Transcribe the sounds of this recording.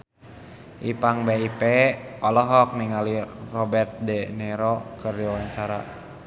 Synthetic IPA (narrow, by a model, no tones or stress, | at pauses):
ʔipaŋbeipɛɔlɔɦɔk̚niŋalirɔbɛrt̪̚dɛnɛɾɔkərdiwawaɲt͡ʃaɾa̰